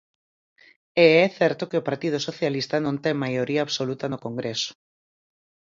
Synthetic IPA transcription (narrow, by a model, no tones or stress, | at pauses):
eɛθɛɾt̪okɪopaɾt̪ið̞osoθjalist̪anõnt̪ɛŋmajoɾiaːβsolut̪ɐnokoŋɡɾesʊ̥